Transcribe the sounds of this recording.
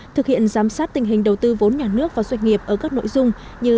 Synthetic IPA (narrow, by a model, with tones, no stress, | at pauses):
t̪ʰɨ˨˩k̚hḭ˧˨ənzaː˨˦msaː˦˥t̚t̪ï˨˩ŋ̟ɦi˨˩ŋ̟ɗə˨˩wt̪ɨ˧vo˨˦nɲaː˨˩nɨ˦˥ək̚vaː˨˩zwa˧jŋ̟ŋi˨˩əp̚ʔəː˧˩kaː˦˥k̚no̰˧˨jzʊ˧ŋ͡m | ɲɨ˧